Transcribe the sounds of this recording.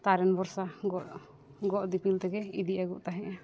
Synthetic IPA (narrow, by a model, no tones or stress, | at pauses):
t̪aɾɛnbɔɾsaɡɔʔ | ɡɔʔd̪ipilt̪ɛɡɛid̪iʔaɡuʔt̪aɦɛ̃ʔa